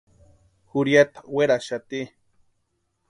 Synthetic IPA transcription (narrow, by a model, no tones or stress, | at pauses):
xuɾjat̪ḁweɾaʃat̪i